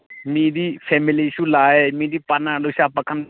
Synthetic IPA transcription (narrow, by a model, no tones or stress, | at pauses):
mĩːd̪iːpʰɛːmɪliʃuːlaːeːmĩːd̪iːpanãːluʃaːpəkʰːən